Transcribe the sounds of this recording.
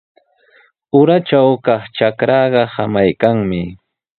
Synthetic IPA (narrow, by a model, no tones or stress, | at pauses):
ʊɾat͡ʃawkɑχt͡ʃakɾɑɢɑhamajkaŋmɪ